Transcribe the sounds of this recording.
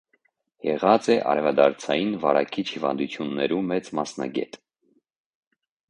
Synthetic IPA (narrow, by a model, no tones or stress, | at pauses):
jɛʁɑt͡sɛʔɑ̰ɾɛvɑd̪ɑɾt͡sʰɑjinvɑɾɑkʰit͡ʃʰhivɑ̰nd̪ut͡sʰjunːɛɾumɛt͡smɑsnɑ̰ɡɛt̪